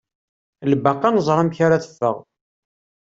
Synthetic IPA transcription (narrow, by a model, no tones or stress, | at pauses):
lbaqːɑnəzˤɾˤɑmçaɾaθə̥fːə̰ʁ